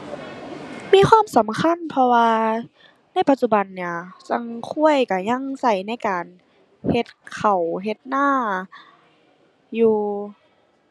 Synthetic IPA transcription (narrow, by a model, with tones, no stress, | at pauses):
miː˧˥˨xʰwaː˧˥˨msa˨˦mkʰa˧˥˨npʰɔ˧waː˧ | na˧˥˨pa˧t̪̚t͡ɕu˧ba˨˩nːi˧˩ɐt͡ɕa˧˥ŋkʰu˧˥˩əjka˧˩ɲa˧˥˨ŋsa˧˩jna˧˥˨jkaː˨˩n | he˧˦t̪̚kʰa˨˩wɦe˧t̪̚naː˧˥˩ | juː˧